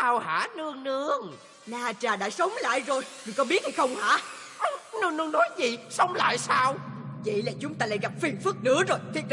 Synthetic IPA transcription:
ʔaː˧wha̰ː˧˩˥nɨ˧əŋnɨ˧əŋ | naː˧˩t͡ɕaː˨˩ɗaː˧˥sə˨˦wŋ͡mla̰ː˧˨jzo˨˩jmi˨˩kɔ˨˦ɓi˦˥ət̚hi˧xə˧wŋ͡mha̰ː˧˥ | ʔə˨˩nɨ˧ŋnɨ˧ŋnːɔ˨˦jzḭ˨˩sə˨˦wŋ͡mla̰ː˧˨jsaː˧wvə̰˧˨jlaː˨˩t͡ɕʊ˨˦ŋ͡mt̪aː˧la̰ː˧˥jɣa˨˩p̚fi˨˩ənfɨ˦˥k̚nɨ̰˧˥əzo˨˩jt̪ʰi˦˥k̚ɗ

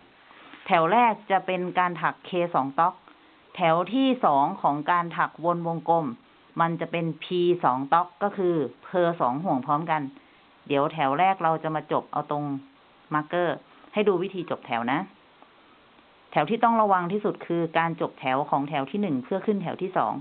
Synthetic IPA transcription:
t̪ʰɛ˩˦wɾɛː˥˩k̚t͡ɕa˨˩pe˧nkaː˧nt̪ʰa˨˩kʰːeː˧sɔː˩˦ŋt̪ɔ˦˥k̚ | t̪ʰɛ˩˦wt̪ʰiː˥˩sɔː˩˦ŋkʰɔː˩˦ŋkaː˧nt̪ʰa˨˩k̚wo˧nwo˧ŋko˧mː | a˧nt͡ɕa˨˩pe˧npʰiː˧sɔː˩˦ŋt̪ɔ˦˥kːɔː˥˩kʰɯː˧pʰɤː˧sɔː˩˦ŋɦu˨˩əŋpʰɔː˦˥mka˧n | di˩˦əwt̪ʰɛ˩˦wɾɛː˥˩k̚ɾa˧wt͡ɕa˨˩maː˧t͡ɕo˨˩p̚ʔa̰˧wt̪o˧ŋ | ma˧kɤː˥˩ | ha˥˩jduː˧wi˦˥t̪ʰiː˧t͡ɕo˨˩p̚t̪ʰɛ˩˦wna˦˥ | t̪ʰɛ˨˩˦wt̪ʰiː˥˩t̪ɔ˥˩ŋɾa˧wa˧ŋt̪ʰiː˥˩su˨˩t̪̚kʰɯː˧kaː˧nt͡ɕo˨˩p̚t̪ʰɛ˩˦wkʰɔː˩˦ŋt̪ʰɛ˩˦wt̪ʰiː˥˩nɯ˨˩ŋpʰɯ˥˩ɐəkʰɯ˥˩nt̪ʰɛ˩˦wt̪ʰiː˥˩sɔ̰ː˩˦ŋ

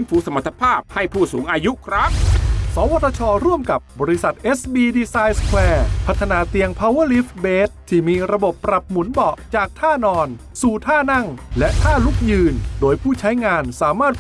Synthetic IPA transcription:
ɯ˦˥nfuː˨˦sa˧ma˨˩t̪ʰːḁ˧pʰaː˥˩p̚ha˥˩jpʰuː˥˩suː˩˦ŋʔaː˧ju˦˥kʰɾa˦˥ŋ̚sɔː˩˦wa˧˥t̪ʰːa˧t͡ɕʰɔː˧ɾu˥˩əmka˨˩p̚bɔː˧ɾi˦˥sa˨˩t̪̚ʔe˦˥sbiː˧diː˧saː˧jskʰwɛː˧pʰa˦˥t̪ʰːa˧naː˧t̪i˧əŋpʰaː˧wɤ˥˩˨li˦˥fbeː˦˥t̪̚ʰːiː˥˩miː˧ɾa˧bo˨˩pːɾa˨˩p̚mu˩˦nbɔ˨˩ʔt͡ɕaː˨˩k̚t̪ʰaː˥˩nɔː˧n | suː˨˩t̪ʰaː˥˩na˥˩ŋlɛ˦˥ʔt̪ʰaː˥˩lu˦˥k̚jɯː˧ndoː˧jpʰuː˥˩t͡ɕʰa˦˥jŋaː˧nsaː˩˦maː˥˩t̪̚

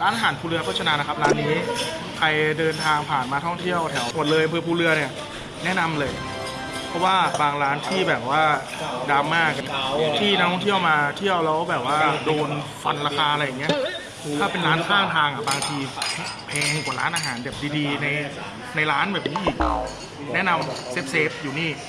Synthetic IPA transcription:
ɾaː˦˥nʔaː˧ɦaː˩˦npʰuː˧lɯ˧ɐpʰɔ˦˥t͡ɕʰa˧naː˧na˦˥kʰa˦˥p̚ɾaː˦˥nːiː˦˥ | kʰa˧jdɤː˧nt̪ʰaː˧ŋpʰaː˨˩nmaː˧t̪ʰɔ˥˩ŋt̪ʰi˥˩əwt̪ʰɛ˩˦wm˨˩t̪̚lɤː˧jʔa˧mpʰɤː˧pʰuː˧lɯ˧ɐni˥˩ɐ | nɛ˦˥na˧mlɤː˧j | pʰɾɔ˦˥waː˥˩baː˧ŋɾaː˦˥nt̪ʰiː˥˩bɛː˨˩p̚waː˥˩ | daː˧mːaː˥˩k̚ːt̪ʰiː˥˩na˦˥kt̪ʰɔ˥ŋt̪ʰəwmaː˧t̪ʰi˥˩əwlɛː˦˥bɛː˨˩p̚waː˥˩doː˧nfa˧nɾaː˧kaː˧ʔa˧ɾa˧jːa˨˩ŋːi˦˥ɐ | t̪ʰaː˥˩pe˧nɾaː˦˥nkʰaː˥˩ŋt̪ʰaː˧ŋʔa˨˩baː˧ŋt̪ʰiː˧˦˥pʰɛː˧ŋku˨˩˦ɾa̰ː˦˥nʔaː˧ɦaː˩˦nbɛː˨˩p̚diː˧diː˧na˧j | na˧jɾaː˦˥nbɛː˨˩p̚niː˦˥ʔiː˨˩k̚ | nɛ˦˥na˧mse˦˥p̚se˦˥p̚juː˨˩niː˥˩

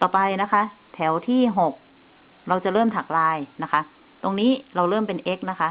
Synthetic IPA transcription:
t̪ɔː˨˩pa˧jna˦˥kʰa˦˥t̪ʰɛː˩˦wt̪ʰiː˥˩ɦo˨˩k̚ | ɾa˧wt͡ɕa˨˩lɤː˥˩mt̪ʰaː˨˩k̚laː˧jna˦˥kʰa˦˥ʔ | t̪o˧ŋniː˦˥ɾa˧wɾɤː˥˩˨mpe˧nʔe˦˥k̚na˦˥kʰa˦˥ʔ

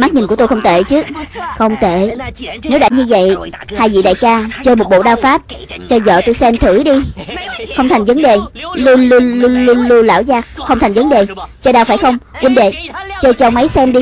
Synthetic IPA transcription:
maː˦˥t̚ɲi˨˩nku˧˩t̪o˧jxə˧wŋ͡mt̪ḛ˧˨t͡ɕɨ˦˥xə˧wŋ͡mt̪e˧˩˨ne˨˦wɗa̰ː˧˥˩ɲɨ˧və̰˧˨j | haː˧jvḭ˧˨ɗa̰ː˧˨jt͡ɕaː˧t͡ɕəː˧jmo˨˩t̚ɓo̰˧˨ɗaː˧wfaː˦˥p̚ | t͡ɕɔ˧zə̰ː˧˨t̪o˧jsɛ˧mt̪ʰɨ˧˩ɗi˧ | xə˧wŋ͡mt̪ʰa˨˩ŋ̟və˨˦nɗe˨˩lu˧lu˧lu˧lu˧lu˧la̰ː˧˩wzaː˧˩k̚xə˧wŋ͡mt̪ʰa˨˩ŋ̟və˨˦nɗe˨˩t͡ɕɔː˧ɗaː˧wfaː˧˩jxə˧wŋ͡mkwi˧nɗe˨t͡ɕəː˧jt͡ɕɔ˧wŋ͡mmə˨˦jsɛ˧mɗi˧

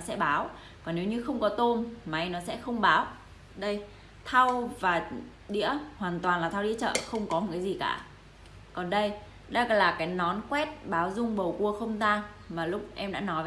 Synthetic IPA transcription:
sɛ̰˧˥ɓaː˨˦w | vɔː˨˩ne˨˦wɲɨ˧xə˧wŋ͡mkɔ˨˦t̪o˧nmaː˨ʔa˧jnɔ˨˦sɛ̰˧˥xə˧wŋ͡mɓaː˨˦w | ɗə˧j | t̪ʰa˧wvaː˨˩ | ɗḭ˧˥əhwaː˨˩nt̪waː˨˩nlaː˨˩t̪ʰːwɗḭ˧˥ət͡ɕə̰ː˧˨xə˧wŋ͡mkɔ˨˦m̚˨kaː˨˦zi˨˩kaː˧˩ | kɔ˨˩nɗə˧j | ɗə˧jɣa̰ː˧˩laː˨˩kaː˨˦jnɔ˨˦nkwɛ˦˥t̚ɓaː˨˦wzʊ˧ŋ͡mɓə˨˩wku˧əxə˧wŋ͡mzaː˧ŋ | maː˨˩lʊ˦˥k͡p̚ʔɛ˧mɗa̰ː˧˥nɔ˨˦j

